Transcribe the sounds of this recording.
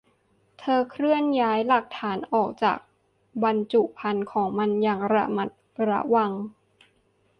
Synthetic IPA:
t̪ʰɤː˧kʰɾɯ˥˩ənjaː˦˥jla˨˩k̚t̪ʰaː˩˦nʔɔː˨˩k̚t͡ɕa̰ː˨˩k̚ | ba˧nt͡ɕu˨˩ʔpʰa˧nkʰɔː˩˦ŋma˧njaː˨˩ŋɾa̰˦˥ma˨˩t̪̚ɾa̰˧˥wa˧ŋ

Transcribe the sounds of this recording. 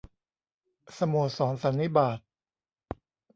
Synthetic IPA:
sa˧moː˨˩t̪̚sɔː˩˦nsa˩˦nːi˦˥baː˨˩t̪̚

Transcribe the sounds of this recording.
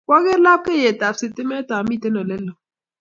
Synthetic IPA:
kɔ˦ɣe˦ɾla˦p̚ke˦˨je˨ta˨pse˦˨te˦me˦ta˨˦mi˦˨te˦nɔ˨le˦lɔ˨

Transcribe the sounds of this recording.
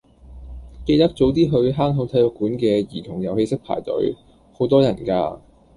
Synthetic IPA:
ke˧jt̪ɐ˥k̚t͡so˨˥wt̪̬iː˥ɦɵ˧ɥɦaː˥ŋɦo˨˥wt̪ʰɐ˧lʊ˨˥kːuː˨˥nkɛː˧jiː˨˩t̪ʰʊ˨˩ŋjɐ˨whe˧jsɪ˥k̚pʰa̰ː˨˩jt̪ɵ̰˨˥ɥ | ho˨˥wt̪ɔː˥jɐ˨˩nka̰ː˧

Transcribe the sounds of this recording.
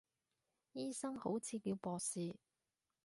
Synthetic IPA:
jiː˥sɐ˥ŋho˨˥wt͡sʰiː˨˧kiː˧wpɔː˨˧siː˨˧

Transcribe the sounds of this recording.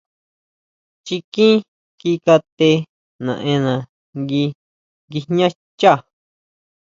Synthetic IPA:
t͡ʃi˧kĩ˦ | ki˧ka˧t̪e˧ | nã̰˨ʔẽ˧nã˨ | ŋɡi˧ | ŋɡi˧ɲã˦ | t͡ʃa˦˨

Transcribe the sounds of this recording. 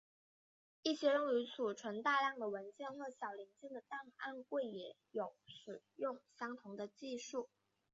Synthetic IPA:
i˥˩ɕjɛ˥ɻʊ˥˩ŋy˧˥t͡sʰu˨˩ʈ͡ʂʰwə˧˥nt̪a˥˧ljɑ˥˩ŋd̪ə˩wə˧˥nt͡ɕjɛ˥˧nxwɔ˥˩ɕjɑ˨˩ʊli˧˥nt͡ɕjɛ˥˩ŋd̪ə˩t̪a˥˧na̰˥˧nkwe˥˩ɪjɛ˧˩˥ | jo˨˥ʊʂɻ̩˨˩jʊ˥˩ŋɕjɑ˥ŋt̪ʰʊ˧˥ŋd̪ə˧t͡ɕi˥˧ʂu˥˩

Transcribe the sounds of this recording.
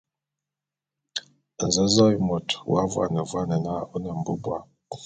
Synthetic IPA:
n̩˨zə˨˦zɔ˦i˨mo˨twa˦vwa̰˦˨nə˨vwa˦nə˨na˦o˦nə˨m̩˨bə˦bwa̰˨

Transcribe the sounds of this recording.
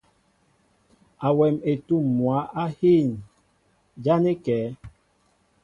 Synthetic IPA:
a˨wɛ˨me˨tu˦˨mːwa˨˦ʔa˦hi˦˨n | d͡ʒa˦ne˦kɛː˨˦

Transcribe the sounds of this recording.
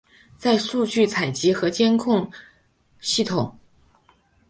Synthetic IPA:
t͡sa˥˧ɪʂu˥˧t͡ɕy˥˩t͡sʰa˨˩ɪt͡ɕi˧˥xɤ˧˥t͡ɕjɛ˥nkʰʊ˥˩ŋ | ɕi˥˩t̪ʰʊ˨˩˦ŋ

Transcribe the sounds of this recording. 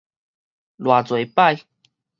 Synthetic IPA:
lwa˨˩t͡swe˨˩˦jpa˥˧j

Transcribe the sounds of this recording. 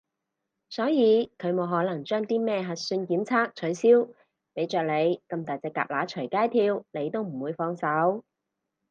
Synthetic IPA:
sɔː˨˥jiː˨˧kʰɵ˨˧ɥmo˨˧wɦɔː˨˥nɐ˨˩ŋt͡ʃœː˥ŋt̪iː˥mɛː˥˩ɦɐ˨t̚syː˧nkiː˨˥nt͡sʰaː˥k̚t͡ʃʰɵ˨˧˥ɥsiː˥w | pe˨˥jt͡ʃœː˨k̚le˨˧jkɐ˧mt̪aː˨jt͡sɛː˧kːa̰ː˨p̚laː˨˥t͡ʃʰɵ˨˩jkaː˥jt̪ʰiː˧wle˨˧jt̪o˥wm̩˨˩wuː˨˧jfɔː˧ŋsɐ˨˥w

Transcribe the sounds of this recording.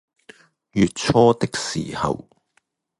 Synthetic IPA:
jyː˨t̚t͡sʰɔː˥t̪ɪ˥k̚sḭː˨˩hɐ̰˨˩w

